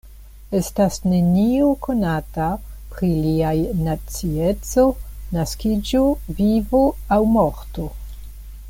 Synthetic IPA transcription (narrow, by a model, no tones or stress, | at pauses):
e̞stasne̞nioko̞natapɾiliajnat͡sie̞t͡so̞naskid͡ʒovivo̞awmoɾto̞